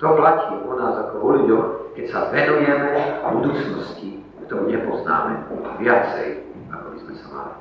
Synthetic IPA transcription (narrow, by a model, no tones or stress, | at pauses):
t̪ɔplaciːʔɔnaːzakɔɦɔliɟɔkɛcsazʋɛd̪ɔmjɛmɛbud̪uːt͡snɔsci | kt̪ɔɾuːɲɛpɔzna̰ːmɛa̰ʋɪat͡sɛ̰j | akɔbizmɛsama̰li